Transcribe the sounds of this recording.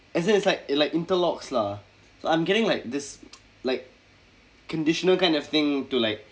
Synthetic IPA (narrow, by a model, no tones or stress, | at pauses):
ɛs̬ɪ̃nɪtslaɪklaɪkɪ̃ntəlɔksla | soãɪ̃mɡɛɾɪ̃ŋlaɪk̚d̪ɪs | laɪk̚ːʰ | ə̃ndɪʃə̃nəlkãɪ̃ndɔfθɪ̃ŋtulaɪk̚